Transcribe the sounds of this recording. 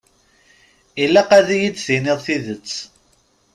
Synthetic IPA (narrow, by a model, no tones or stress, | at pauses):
ilːæqæðijit͡sːθinɪðˤθiðət͡sː